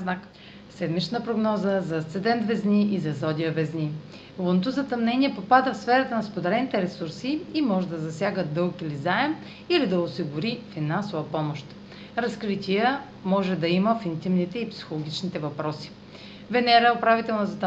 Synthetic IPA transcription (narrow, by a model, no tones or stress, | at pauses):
nak | sɛd̪mit͡ʃnəpɾoɡnɔzəzɐt̪sɛd̪ɛnt̪vɛzniʔizɐzɔd̪ʲiəvɛzni | lˠont̪ozɐt̪ɐmnɛnʲiɛpopad̪əfsfɛɾət̪ənɐspod̪ɛɾɛnit̪ɛɾɛsuɾsiimɔʒɛd̪ɐzɐsʲjaɡəd̪ɤlˠkilizaɛm | ilid̪ɐʊsiɡʊɾifinansʊvɐpɔmoʃt̪ | ɾɐskɾit̪ʲiə | mɔʒɛd̪ɐiməfint̪imnit̪ɛipsi̥xolˠoɡ̟ʲit͡ʃnit̪ɛvɐpɾɔsi̥ | vɛnɛɾɛʊpɾavit̪ɛlˠnozɐt̪